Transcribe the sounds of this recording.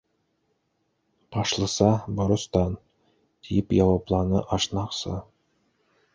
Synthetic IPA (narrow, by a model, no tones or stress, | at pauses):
b̥ɑʃlˠɤ̆sɑbŏɾŏst̪ɑn | t̪ʰijɪpjɑwɑplˠɑnɤ̰ʔɑʃnɑqsɤ̰